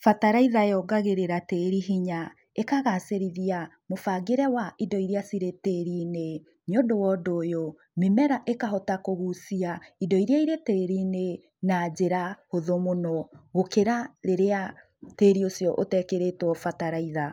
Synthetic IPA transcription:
fataɾaiðaeɔɡaɣeɾeɾateːɾiɦiɲa | ekaɣaseɾiðia | mofaɡeɾɛwaidɔiɾijasiɾeteɾine | ɲondowɔdoːjo | memɛɾaʔekaɦɔtakoɣusiaidɔiɾiaiɾeteɾine | nad͡ʒeɾahoðomonɔɣokeɾaɾeɾea | teɾiosjɔʔotɛkeɾetwɔfataɾaiða

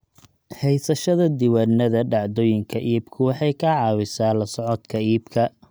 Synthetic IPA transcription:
hɛjsɐʃɐðɐd̪ɪwaːnɐðɐɖɑʕd̪oːjɪŋkʰɐʔiːbkʰʊwɑħɑjkʰɐʕɑːwɪsaːlɐsɔʕɔd̪kʰɐiːbkʰɐ

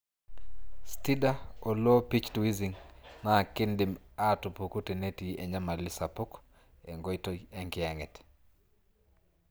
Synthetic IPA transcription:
stidaolopit͡ʃtuiziŋnakɪndɪmatupukutenetieɲamalisapuk | ḛŋɡojtoɛŋkɪɛŋɛt

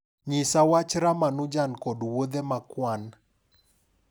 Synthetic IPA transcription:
ɲɪsawat͡ʃɾamanud͡ʒankɔdwod̪emakwan

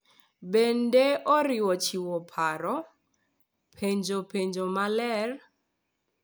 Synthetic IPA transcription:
bɛndɛʔɔɾiwɔt͡ʃiwɔpʰaɾɔ | pʰeɲd͡ʒopʰeɲd͡ʒɔmalɛr

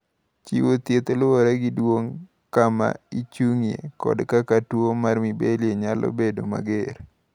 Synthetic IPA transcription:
t͡ʃḭwot̪jet̪olwoɾaɡɪdwoŋ | kama̰it͡ʃuŋijḛkɔ̰dkakatwomarmibelieɲalʔo̰bedo̰ma̰ɡeɾ

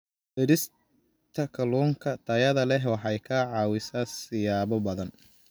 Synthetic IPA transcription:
ʔɪɾɪs | t̪ʰɐkʰɐlɔːŋkʰɐt̪ʰɐjɐðɐlɛɦwɑħɛjkʰɐʕɑːwɪsaːsɪjaːβɔbɐðɐn

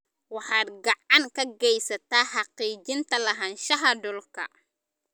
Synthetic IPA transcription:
wɑħɑːd̪̚ɡɑʕɑŋkʰɐɡɛjsɐt̪ʰaːħɑqiːd͡ʒɪnt̪ʰɐlɐɦɐnʃɐɦɐɖɔlkʰɐ̰

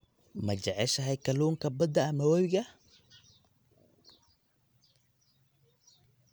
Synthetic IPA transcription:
mɐd͡ʒɛʕɛʃɐɦɛjkʰɐluːŋkʰɐbɐd̪ɐːmɐwɐwɣɐ

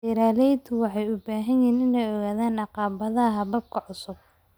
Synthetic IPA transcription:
ɪɾaːlɛjt̪ʊwɑħɑjʊbaːɦɐjjiːnɪnɛjɔɣaːðaːnɑqɑːβɐðɐɦɐbɐb̚kʰɐʕʊsʊb̚

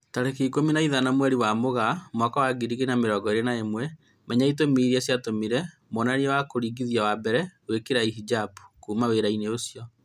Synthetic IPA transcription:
taɾekekominaiðanamwɛɾiwamoɣamakawaɡiɾiɣinameɾɔːɡɔeɾenaemwɛ | mɛɲaitomiɾiasjatomiɾɛ | mɔnanewakoɾiːɡiðiawabɛɾɛwekeɾaiɦid͡ʒapu̥kuːmaweɾaineosijɔ

